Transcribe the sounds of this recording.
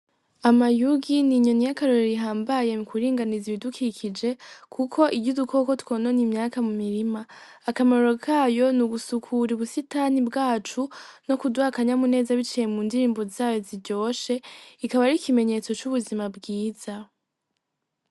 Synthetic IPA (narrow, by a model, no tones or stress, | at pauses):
amajuɡiniɲo̞nijakaɾoɾeɾiɦaːmbaje̞ukwiɾiːŋɡaniziβidukʰikʰid͡ʒe̞kʰukʰo̞ʔibɟudukʰo̞ko̞twononimɲaːkamumiɾimaː | kamaɾo̞kʰaːjo̞nuɡusukʰuɾiβusitaːnibɡaːt͡ʃuno̞kudwaːkaɲamune̞ːzaβit͡ʃije̞mundiɾiːmbozaːjo̞ziɾɟo̞ːʃe̞ikaβaɾikʰime̞ɲe̞t͡so̞t͡ʃuβuzimabɡiːz̥a